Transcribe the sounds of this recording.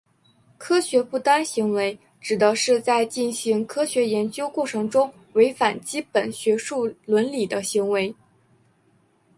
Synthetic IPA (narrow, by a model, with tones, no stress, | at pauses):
kʰɤ˥ɕɥɛ˧˥pu˥˩t̪a˥nɕi˧˥ŋwe˧˥ɪ | ʈ͡ʂɻ̩˨˩d̪ə˦ʂɻ̩˥˧t͡sa˥˧ɪt͡ɕi˥˩nɕi˧˥ŋkʰɤ˥ɕɥɛ˧˥jɛ˧˥nt͡ɕjo˥ʊkwɔ˥˩ʈ͡ʂʰɤ˧˥ŋʈ͡ʂʊ˥ŋ | we˧˥ɪfa˨˩nt͡ɕi˥pə˨˩nɕɥɛ˧˥ʂu˥˩lwə˧˥nli˨˩d̪ə˦ɕi˧˥ŋwe˧˥ɪ